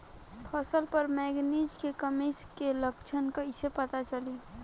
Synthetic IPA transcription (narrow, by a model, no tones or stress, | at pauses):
pʰəsəlpəɾmɛːɡnid͡ʒkekəmeskeləkt͡ʃʰənkaɪsepət̪at͡ʃəli